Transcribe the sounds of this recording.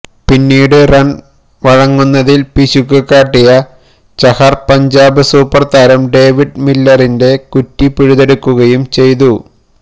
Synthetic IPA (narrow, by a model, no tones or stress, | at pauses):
pinːiːɽɨrɐn | ʋɐɻɐŋːunːɐðilpiɕukːɨkːaːʈːijɐ | t͡ɕɐhɐrpɐɲd͡ʑaːbɨsuːpːɐrt̪ɐɾɐmɖe̞ːʋiɖmilːɐrinde̞kutːipːiɻuðe̞ɽukːuɣɐjumt͡ɕe̞jt̪̬u